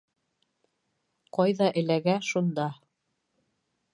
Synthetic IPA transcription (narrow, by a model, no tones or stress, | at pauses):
qɑjðɑʔɘ̆læɡæʃund̪ɑ